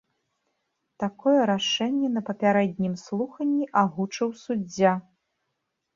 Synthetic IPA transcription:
t̪akɔjɛɾaʂɛnʲːɛnɐpɐpʲaɾɛd̪ʲnʲimslˠuxɐnʲːiʔaɣut͡ʂɐwsud͡zʲːa

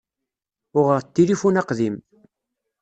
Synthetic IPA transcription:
ʊʁəʁt̪ːilifunɑqðim

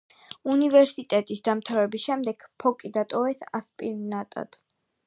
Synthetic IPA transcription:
univɛɾsit̪ʼɛt̪ʼisd̪amt̪ʰavɛbisʃɛmd̪ɛɡ̥pʰɔkʼid̪at̪ʼɔvɛsa̰spʼiɾnat̪ʼa̰d̪̥

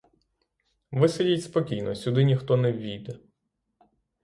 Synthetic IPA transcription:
ʋɪsɐdʲitʲspɔkʲijnɔsʲʊd̪ɪnʲixt̪ɔnɛwʲʋʲijd̪ɛ

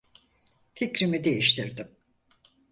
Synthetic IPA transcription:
ficɾimid̪e̞jiʃt̪ʰiɾd̪ɪm

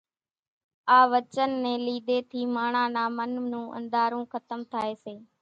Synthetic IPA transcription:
aːʋət͡ʃənːẽːliːd̪eːt̪ʰiːmaːɳãːnãːmənnũːʔə̰̃nd̪aːɾũːxət̪əmt̪ʰaːeːseː

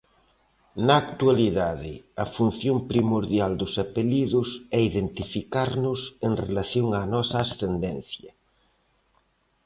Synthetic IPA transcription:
nɐːkt̪ualiðaðɪɐfun̟θjompɾimoɾðjald̪ʊsapeʎiðʊsɛiðent̪ifikaɾnʊseŋrḛlaθjoŋaːnɔsɐːsθend̪ɛnθjɐ

